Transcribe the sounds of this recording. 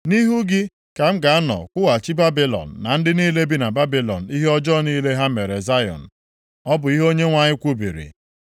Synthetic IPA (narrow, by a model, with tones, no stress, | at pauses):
ni˦ɦu˦ɡɪ˦ | ka˨m̩˦ɡa˨a˦nɔ̰˨kʷʊ˦wa˨t͡ʃi˦ba˦bi˦lɔ̰˨n̩ː˨a˨n̩˦dɪ˦niː˦le˦bi˦na˨ba˦bi˦lɔ̰˨n̩˨i˦ɦe˦ɔ˦d͡ʒɔ˦˨niː˦le˦ɦa˦me˨ɾe˨za˦jɔ̰˨n̩˨ | ɔ˦bʊ˨i˦ɦo˦ɲe˦ŋʷa˦ɲɪ˦kʷu˦bḭ˨ɾḭ˨